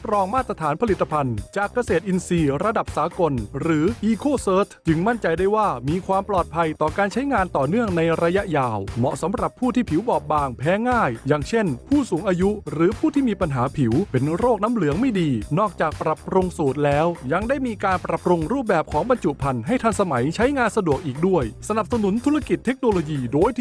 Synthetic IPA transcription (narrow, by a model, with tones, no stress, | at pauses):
pɾɔː˧ŋmaː˥˩t̪ːɾa˧t̪ʰaː˩˦npʰa˧li˨˩t̪ːa˧pʰa˧nt͡ɕaː˨˩kːa˧seː˨˩t̪̚ʔi˧nsiː˧ɾa˧da˨˩p̚saː˩˦ko˧nɾɯː˩˦ʔiː˧kʰoː˥˩sɤː˦˥t̪ʰt͡ɕɯ˧ŋma˥˩nt͡ɕa˧jdaː˥˩jwaː˥˩miː˧kʰwaː˧mplɔː˨˩t̪̚pʰa˧jt̪ɔː˨˩kaː˧nt͡ɕʰa˦˥jŋaː˧nt̪ɔː˨˩nɯ˥˩əŋna˧jɾa˧ja˦˥ʔjaː˨˩wmɔ̰˨˩ʔsa˨˦mɾa˨˩pʰːuː˥˩t̪ʰiː˥˩pʰi˨˩˦wbɔː˨˩p̚baː˧ŋpʰɛː˨˦˥ŋaː˥˩jːaː˨˩ŋt͡ɕʰe˥˩npʰuː˥˩suː˩˦ŋʔaː˧ju˦˥ɾɯː˩˦pʰuː˥˩t̪ʰiː˥˩miː˧pa˧nɦaː˩˦pʰi˩˦wpe˧nɾoː˥˩k̚na˦˥mlɯ˩˦əŋma˥˩jdiː˧nɔː˥˩k̚t͡ɕaː˨˩k̚pɾa˨˩pɾo˧ŋsuː˨˩t̪̚lɛː˦˥wja˧ŋdaː˥˩jmiː˧kaː˧npɾa˨˩pɾo˧ŋɾuː˥˩p̚bɛː˨˩p̚kʰɔː˩˦ŋba˧nt͡ɕu˨˩ʔpʰa˧nɦa˥˩jt̪ʰa˧ŋsa˧ma˩˦jt͡ɕʰa˦˥jŋaː˧nsa˧du˨˩ək̚ʔiː˨˩k̚du˥˩əjsa˧na˨˩p̚sa˧nu˨˩˦nt̪ʰu˦˥ɾa˥˧ki˨˩t̪ʰːe˦˥k̚noː˧loː˧jiː˧doː˧j